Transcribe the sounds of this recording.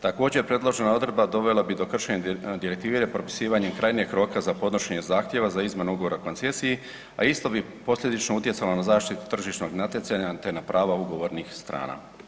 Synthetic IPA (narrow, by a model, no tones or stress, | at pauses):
t̪ako̞ːd͡ʑepɾe̞d̪lˠo̞ʒe̞nao̞d̪ɾed̪bad̪o̞ʋe̞labid̪o̞kr̩ʃeɲed̪iɾe̞kt̪iʋiɾepɾo̞pi̥siːʋaɲemkɾajnieɡkɾo̞ːkazapo̞d̪no̞ʃe̞ɲe̞zaːxt̪je̞ʋazaizmenuɡoʋo̞ɾako̞nt̪se̞siji | a̰ist̪o̞bi | po̞slʎʲe̞d̪it͡ʃnout̪jet̪salonazaːʃt̪it̪u̥t̪r̩ʒiʃno̞ɡnat̪jet̪saɲat̪e̞napɾʔaːʋauɡo̞ʋo̞ɾnixst̪ɾa̰ːna̰